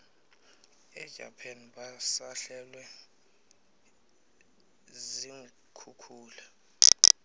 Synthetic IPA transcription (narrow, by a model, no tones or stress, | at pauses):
ɛɡ̥ʼʱa̰pʰanɓasaɬɛlwɛ | ziŋ | kʰukʰuːla